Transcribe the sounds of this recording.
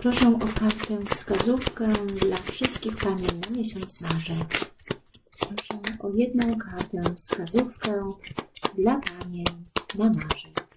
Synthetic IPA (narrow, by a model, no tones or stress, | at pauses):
pɾɔʂɛw̃ʔɔkaɾt̪ɛfskazufkɛd̪lafʂɘst̪̚kʲixpaɲɛnamʲjɛɕɔnt̪smaʐɛt̪spɾɔʂɛwʔɔjɛd̪̚nɔ̃w̃kaɾt̪ɛ̃fskazufkɛ | d̪lapaɲɛɲnamaʐɛt̪s